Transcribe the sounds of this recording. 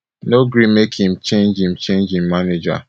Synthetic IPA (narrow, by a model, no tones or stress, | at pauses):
noɡɾĩmekhĩmt͡ʃẽnd͡ʒĩmt͡ʃẽnd͡ʒĩmaned͡ʒa̰